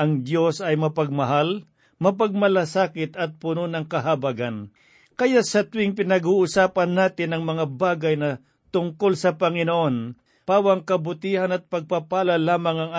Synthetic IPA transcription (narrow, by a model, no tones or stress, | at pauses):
ʔɐŋd̪jo̞sɐjmɐpɐɡ̚mɐɦal | mɐp̬ɐɡ̚mɐlɐsaːkɪt̪ɐt̪̚pʊnonɐŋkɐɦabaɡan | kɐjasɐt̪ʊwɪŋpɪnɐɡuːʔʊsaːpɐnːaːt̪ɪnɐŋmɐŋabaːɡɐjnɐ | t̪ʊŋko̞lsɐpɐŋɪnoʔo̞n | paːwɐŋkɐbʊt̪iːhanɐt̪̚pɐɡ̚papaːlɐlaːmɐŋɐŋa